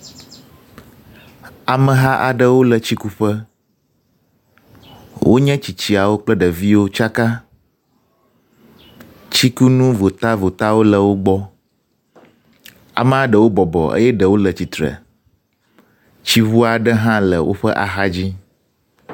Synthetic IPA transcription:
a˨mə̃˨ɦa˦ʔa˨ɖə˦wo˦lə˨t͡ɕi˦ku˦ɸə˦ | wʔo̰˦ɲɛ̃˦t͡ɕi˨t͡ɕi˨a˨wo˦k͡plə˦ɖə˨vi˦wo˦t͡ʃa˦ka˦ | t͡ɕi˦ku˦nũ˦vo˨t̪a˦vo˨t̪a˦wo˦lə˨wo˦ɡ͡bɔ˦ | a̰˨mə̃˦a˨ɖə˨wo˦bɔ˨bɔ̰˨ə̰˦jɛ˦ɖə˨wo˦lə˨t͡ɕi˨t̪ɾə̰˨ | t͡ɕi˦βu˦a˨ɖə˦ɦã˦lə˨wʔo̰˦ɸə˦ʔa˨ɦa˦d͡ʑi˦

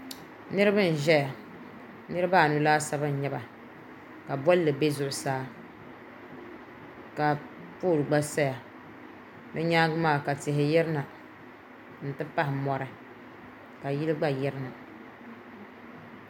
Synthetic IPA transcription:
nɨ˦ɾɨ˦bɨ˦n̩˨ʒɛ˦ja˨ | nɨ˦ɾɨ˦ba˦˨nu˨laː˦sa˦bɨ˦n̩˨ɲɛ˦ba˨ | ka˨bɔ˦lːɨ˨be˦zʊ˦˨ʔʊ˨saː˦ | ka˨ | poː˦˨lɡ͡ba˦sa˦ja˨ | nɨ˦ɲaː˦ɡʊ˦maː˦˨ka˨tɪ˨ɦɪ˨jɛ˦ɾɨ˦na˨ | n̩˨tɨ˦pa˦ɦɪ˨mɔ˨ɾɨ˦ | ka˨ji˦lɨ˦ɡ͡ba˦jɛ˦ɾɨ˦na˨

